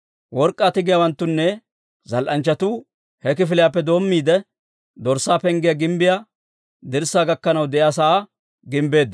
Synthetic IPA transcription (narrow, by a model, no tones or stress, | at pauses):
wɔɾkʼːaːt̪ɪɡɪjawɐnt̪ːʊnːɛ | zɐlʔɐnt͡ʃːɐt̪uː | hɛkɪfɪlɪjaːpːɛd̪o̞ːmːiːd̪ɛ | d̪ɔɾsːaːpɛŋɡɪjaɡɪmbɪja | d̪ɪɾsaːɡɐkːɐnɐwd̪ɛʔjaːsɐa | ɡɪmbe̞ːd̪ːɐ